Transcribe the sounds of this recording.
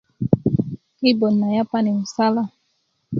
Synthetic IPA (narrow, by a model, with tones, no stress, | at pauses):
ki˦bɔ˨nːa˨ja˦pa˦ni˨mu˨sa˦la˦